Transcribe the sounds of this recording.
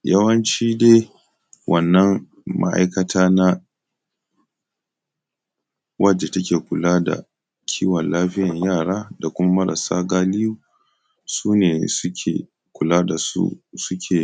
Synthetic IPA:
jɐ˦wɐ˦nt͡ʃiː˦deː˦ | wʔɐ˨nːɐ˦m | ma̰˦ʔa̰˦jkɐ˦taː˦na˦ | wʔɐ˦d͡ʒe˨tɐ˦kʲeː˨kʷʊ˨laː˦da̰˨ | kʲʰiː˦wɐ˨nlaː˦ɸɪ˦jɐ˨ɲjaː˦˨ɽaː˦da˨kʷʊ˦ma˦mɐ˦ɾɐ̰˨sa̰ː˦ɡaː˦lɪ˦juː˦ | suː˦neː˨sʊ˦kʲʰḛː˨ | kʷʊ˨laː˦da˨sṵ˦sʊ˦kʲʰeː˨

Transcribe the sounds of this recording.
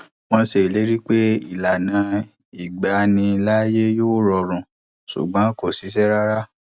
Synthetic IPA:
w̃ɔ̃˧˦se˧˨le˨˦ɾi˦k͡pe˦ḭ˦˨la˨nã˨˦ | i˦˨ɡ͡ba˨˦nĩ˧˦la˦je˦joː˦˨ɾɔ˧ɾ̃ũ˨ | sṵ˨ɡ͡bã˨˦ko˦˨si˨˦s̬ɛ˦ɾa˦ɾa˦

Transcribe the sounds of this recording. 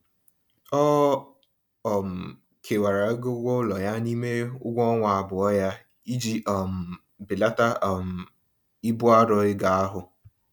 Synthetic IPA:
ɔ˦ | ɔ˨m̩˨ | kʰe˨wa˨ɾa˨˦ɡʊ˦ɡʷo˦lɔ˨ja˦ni˦me˦ʊ˦ɡʷɔ˦ŋʷa˨a˨bʊ˨ɔ˦ja˦ | i˦d͡ʒi˦ʔɔ˨m̩˨ | bɪ˨la˦ta˦˨m̩˨ | i˦bʊ˦a˦ɾɔ˨ɪ˦ɡa˨a˦ɦʊ˨

